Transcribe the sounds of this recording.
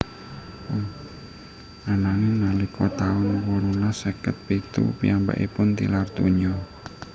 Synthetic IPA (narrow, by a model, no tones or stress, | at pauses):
anaŋɪnalikɔt̪aɔnwɔɾunasəkət̪̚pit̪ṵpiamba̰ʔipʊnt̪ḭlart̪uɲɔ